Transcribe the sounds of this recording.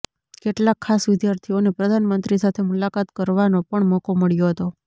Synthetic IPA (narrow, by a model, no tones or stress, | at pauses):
keʈlakʰːasʋɪd̪jaɾt̪ʰionepɾəd̪ʱanmənt̪ɾisat̪ʰemulakat̪kəɾʋanopəɳmɔkoməɭjoɦət̪o